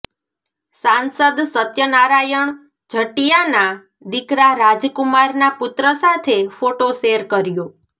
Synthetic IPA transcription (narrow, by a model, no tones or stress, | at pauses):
sansəd̪sət̪jənaɾajəɳ | d͡ʒʱəʈijana | d̪ɪkɾaɾad͡ʒkʊmaɾnapʊt̪ɾəsat̪ʰefoʈoʃeɾkəɾjo